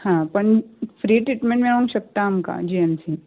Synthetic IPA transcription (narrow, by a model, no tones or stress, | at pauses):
hãpəɳfʰɾiːʈɾiʈmẽɳʈmẽɾõŋʃɐk̚t̪aɐmka̰d͡ʒiensi